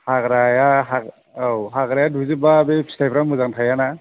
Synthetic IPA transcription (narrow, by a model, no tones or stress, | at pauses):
haɡɾajaɦa | awɦaɡɾajaduzɯbabepʰstʰajpɾamɯzaŋtʰajana